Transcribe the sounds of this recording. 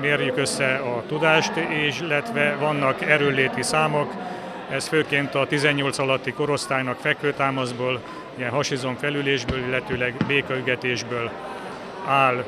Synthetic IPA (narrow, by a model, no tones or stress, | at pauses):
meːrjykøsːɛɒt̪ud̪aːʃt̪eːʃilɛt̪ʋɛvɒnːɒkɛɾøːlːeːt̪isaːmo̞k | ɛsføːkeːnt̪ɒt̪izɛɲːo̞lt̪sɒlɒt̪ːiko̞ɾo̞st̪aːjnɒkfɛkføːt̪aːmɒzboːl | ijɛnɦɒʃizo̞ɱfɛlyleːʒbøːlilːɛt̪øːlɛɡbeːkɒyɡɛt̪eːʒbøːl | aːl